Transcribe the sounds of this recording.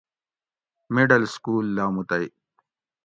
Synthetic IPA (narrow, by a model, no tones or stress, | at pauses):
miɖɐlskuːlːaːmut̪ɐj